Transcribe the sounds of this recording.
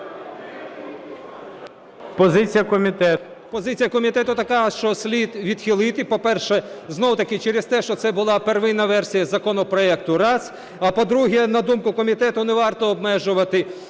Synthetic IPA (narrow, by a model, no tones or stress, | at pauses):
pɔzɪt͡sʲijɐkɔmʲit̪ɛ | pɔzɪt͡sʲijɐkɔmʲit̪ɛt̪ʊt̪ɐkɑʃt͡ʃɔsʲlʲid̪ʋʲid̪xʲɪlˠɪt̪ɪpɔpɛrʃɛznɔwʊt̪ɐkɪt͡ʃɛɾɪst̪ɛʃt͡ʃɔsɛbʊlˠɑperʋɪnɐʋɛrsʲijɐzɐkɔnɔpɾɔɛk̚t̪ʊɾɑs | ɐpɔd̪ɾuɦɛnɐd̪umkʊkɔmʲit̪ɛt̪ʊneʋɑrt̪ɔːbmɛʒʊʋɐt̪ɪ